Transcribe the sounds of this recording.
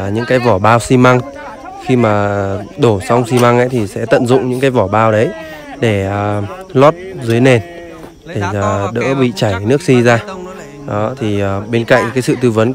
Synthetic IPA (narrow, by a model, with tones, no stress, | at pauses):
ɲɨ̰˧˥ŋkaː˨˦jvɔ˧˩ɓaː˧wsi˧ma˧ŋ | xi˧maː˨˩ɗo˧˩sa˧wŋ͡msi˧ma˧ŋʔə̰˧˦jt̪ʰi˨˩sɛ̰˧˥t̪ə̰˧˨nzʊ̰˧˨ŋ͡mɲɨ̰˧˥ŋkaː˨˦jvɔ˧˩ɓaː˧wɗə˨˦j | ɗe˧˩əː˨˩ | lɔ˦˥t̚zɨ˨˦jne˨˩n | ɗe˧˩əː˨˩ɗə̰ː˧˥ɓḭ˧˨t͡ɕaː˧˩jjnɨ˦˥ək̚si˧zaː˧ | ɗɔ˨˦t̪ʰi˨˩əː˨˩ɓe˧nka̰˧˨jŋ̟kaː˨˦jsɨ̰˧˨t̪ɨ˧və˨˦n